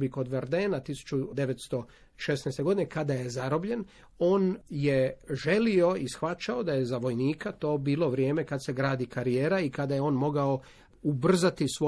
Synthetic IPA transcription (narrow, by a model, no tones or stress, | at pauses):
bikod̪ʋeɾd̪eːnat̪isu̥t͡ʃud̪e̞ʋet̪st̪o̞ | ʃesnɛst̪e̞ɡo̞d̪ine̞kad̪aje̞zaɾo̞bʎe̞n | o̞ːnjeʒe̞lio̞isxʋat͡ʃao̞d̪aje̞zaʋo̞jniːkat̪o̞ːbiːlˠo̞ʋɾje̞ːme̞kad̪se̞ɡɾaːd̪ikaɾijeːɾaikad̪ajeo̞ːnmo̞ɡao̞ | ubr̩zat̪isʋo